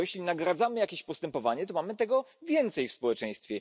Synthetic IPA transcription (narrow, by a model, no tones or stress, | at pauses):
jɛɕlʲinaɡɾad̪zamɘjakʲeɕpɔst̪ɛmpɔvaɲɛt̪̬ɔmamɘt̪ɛɡɔvʲjɛnt̪sɛjfspɔwɛt͡ʂɛj̃st̪fʲjɛ